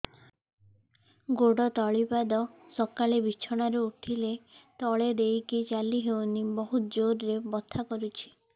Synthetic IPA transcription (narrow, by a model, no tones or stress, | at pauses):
ɡoɽɔt̪ɔɭipad̪ɔsɔkalebit͡ʃʰɔɽ̃aɾeuʈʰilet̪ɔɭed̪ejkit͡ʃaliɦewnibɔɦut̪d͡ʒoɾɾebɔt̪ʰːakɔɾut͡ʃʰi̥